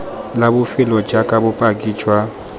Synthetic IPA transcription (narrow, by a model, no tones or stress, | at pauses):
labʊfɪlɔd͡ʒakʼabʊpʼakʼiːt͡ʃʰʼwa